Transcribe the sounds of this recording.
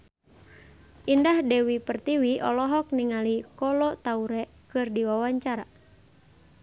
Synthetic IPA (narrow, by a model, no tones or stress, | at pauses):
ʔindahdɛwipərt̪iwiʔɔ̰lɔɦɔk̚niŋalikɔlɔt̪auɾɛ | kɨrdiwawaɲt͡ʃaɾa